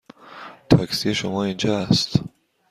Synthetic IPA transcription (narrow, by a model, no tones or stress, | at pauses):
t̪ʰɒksiʃomɒːind͡ʒɒæst̪